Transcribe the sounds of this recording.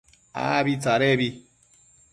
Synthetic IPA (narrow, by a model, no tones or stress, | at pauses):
a̰bit͡saɾebi